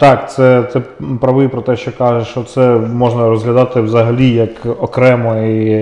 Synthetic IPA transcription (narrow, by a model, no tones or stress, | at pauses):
t̪ɑkt̪sɛt̪sɛpɾɐʋɪjipɾɔt̪ɛʃt͡ʃɔkɑʒɛʃt͡ʃɔt̪sɛmɔʒnɐɾɔzɦlʲɐd̪ɑt̪ɪwzɐɦɐlʲijɐkɔkɾɛmɔi